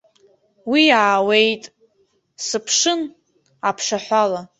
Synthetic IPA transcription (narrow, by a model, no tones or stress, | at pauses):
wiaːwe̞jtʼ | sɨpʰʂɨn | apʰʂaħʷala